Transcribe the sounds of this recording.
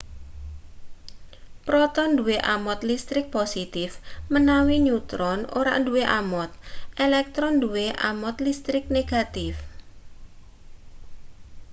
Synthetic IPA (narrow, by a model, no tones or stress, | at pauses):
pɾɔt̪ɔnduweʔamɔt̪list̪ɾɪk̚posit̪ɪfmənawiɲut̪ɾɔno̰ɾa̰ʔnduweʔamɔt̪̚ʔelɛk̚t̪ɾɔnduweʔa̰mɔt̪list̪ɾɪk̚neɡ̥at̪ɪf